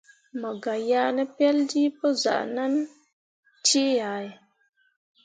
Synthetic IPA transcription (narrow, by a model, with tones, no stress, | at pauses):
mə˨ɡa˨jaː˦nə˦pɛ˦ldi˦pə˦za̰˨ʔna˦n | ti˦ja˨˦j